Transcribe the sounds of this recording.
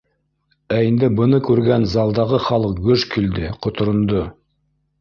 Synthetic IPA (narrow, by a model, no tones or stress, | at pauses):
æind̪ɘbɤ̆nɤkʉɾɡænzɑlˠd̪ɑʁɤχɑlˠɤq̚ɡɵʃkild̪ɘqŏt̪ŏɾŏnd̪o